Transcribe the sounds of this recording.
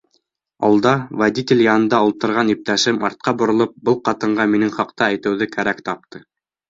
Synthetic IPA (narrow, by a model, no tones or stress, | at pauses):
ɑ̰lˠd̪ɑvad̪ʲit̪ʲelʲjɑnɤ̆nd̪ɑulˠt̪ɤ̆ɾʁɑnip̚t̪æʃɘmɑɾt̪̚qɑbŏɾŏlˠɤp̚bɤlˠqɑt̪ɤ̆ɴɢɑminɘŋχɑqt̪ɑæjt̪ɘ̆wðɘkæɾækt̪ɑp̚t̪ʰɤ